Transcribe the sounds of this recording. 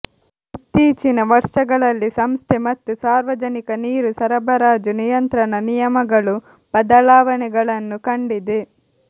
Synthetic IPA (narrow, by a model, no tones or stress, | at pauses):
t̪ːiːt͡ʃinɐʋɐɾʂɐɡɐɭɐlːisɐmst̪ʰɛmɐt̪ːusaːɾʋɐd͡ʒɐnikɐniːɾusɐɾɐbʱɐɾaːd͡ʒunijɐnt̪ɾɐɳɐnijɐmɐɡɐɭu | bɐd̪ɐlaːʋɐɳɛɡɐɭɐnːukɐɳɖid̪e